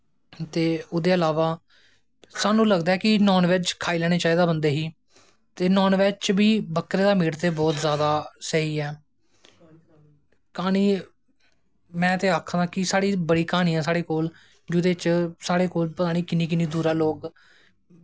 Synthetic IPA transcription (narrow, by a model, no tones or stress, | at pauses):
t̪eːʊd̪eːəlaːʋaː | saːnũːləɡd̪aːɛːkɪnɔːnʋɛːt͡ʃkʰaːiːlɛːɽ̃eːt͡ʃaːiːd̪aːbənd̪eːɦiː | t̪eːnɔːnʋɛːt͡ʃbiːbəkːɾeːd̪aːmɪːɽt̪eːbɔːt̪zjaːd̪aːsəɦiːɛː | kaːñiː | mɛ̃ːt̪eːaːkʰãːd̪ãːkɪsaːɽiːbəɽiːkaːñiːãːsaːɽeːkoːl | d͡ʒʊd̪eːt͡ʃsaːɽeːkoːlpət̪aːñiːkɪnːiːk̬ɪniːd̪uːɾaːloːk